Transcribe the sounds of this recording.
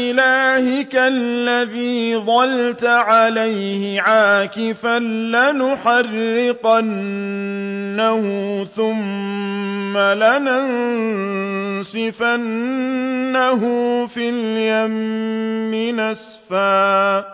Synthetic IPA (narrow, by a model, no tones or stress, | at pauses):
ʔɪlaːhɪkalːaðiːd̪ˤɑlt̪aʕalajhɪʕaːkɪfanlanʊħɑrːɪqan | ahʊθʊmː | alanan | sɪfanː | aɦʊfiljamː | ɪnɪs | faː